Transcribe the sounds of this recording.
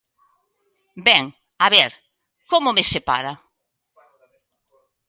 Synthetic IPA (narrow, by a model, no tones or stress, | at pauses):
bɛŋ | aβɛɾ | komʊmesepa̰ɾa